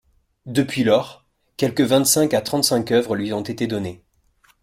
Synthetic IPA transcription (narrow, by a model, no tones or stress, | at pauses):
d̪əpɥilɔʁ | kʲɛlkəvɛ̃t̪sɛ̃kat̪χɑ̃t̪sɛ̃kœvʁəlɥiɔ̃t̪et̪ed̪ɔne